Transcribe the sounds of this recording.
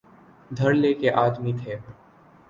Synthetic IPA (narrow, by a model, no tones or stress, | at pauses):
d̪ʱɐɾleːkeʔaːd̪mit̪ʰeː